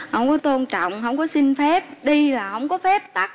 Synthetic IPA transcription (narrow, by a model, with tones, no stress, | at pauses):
hə˧wŋ͡mkɔ˨˦t̪o˧nt͡ɕɔ̰˧˨wŋ͡mhə˧wŋ͡mkɔ˨˦si˧ŋfɛ˦˥p̚ɗi˧laː˨˩hə˧˩wŋ͡mkɔ˨˦fɛ˦˥p̚t̪a˦˥k̚